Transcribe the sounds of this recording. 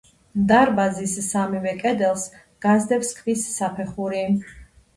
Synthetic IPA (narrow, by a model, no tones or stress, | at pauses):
md̪aɾbazisːamivɛkʼɛd̪ɛlˠs | ɡ̥azd̪ɛpskʰvisːapʰɛχuɾi